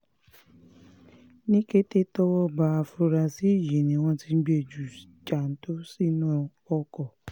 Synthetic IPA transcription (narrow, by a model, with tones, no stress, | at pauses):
nĩ˦ke˦te˦tɔ˦wɔ˦ba˨˧a˧fu˧ɾa˧si˦i˦˨ji˨nĩ˨˦w̃ɔ̃˧ti˧n̩˦ɡ͡be˧˨d͡ʒu˨ | t͡ʃa˨n̩˨˦to˦si˦˨nũ˦ | ɔ˧kɔ˨